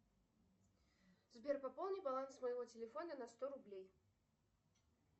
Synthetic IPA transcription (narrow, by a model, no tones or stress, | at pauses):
zʲbʲɛrpapɔlˠnʲibalˠansmɐjɣɔt͡sʲelʲɛfɔnɐnɐst̪ɔɾublʲej